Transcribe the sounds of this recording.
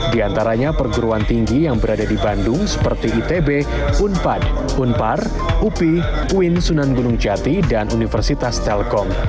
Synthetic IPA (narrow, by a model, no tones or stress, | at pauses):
diant̪aɾaɲapərɡuɾuant̪iŋɡijaŋbəɾadadibandʊŋsə̥pərt̪iːt̪ebe | unpad | unpar | upikuɪnsunanɡunʊŋd͡ʒat̪idanʔunifərsit̪ast̪ɛlkɔŋ